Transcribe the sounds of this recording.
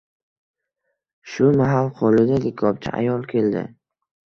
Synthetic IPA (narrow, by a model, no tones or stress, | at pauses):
ʃʊmaɦalqʰolɪd̪alɪkʰɒp̚t͡ʃʰa̰ʔa̰jɒlˠkʲʰe̞ld̪ɪ̰